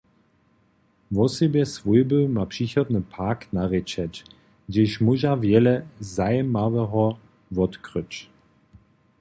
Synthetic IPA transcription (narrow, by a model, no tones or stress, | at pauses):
vɔsɛbjɛsvujbəmapʂixɔd̪nəpʰaknaʁɛt͡ʃɛt͡ɕ | d͡ʒɛʃmuʒavjɛlɛzajɛmavɛɦɔ | vɔt̪kʁət͡ɕ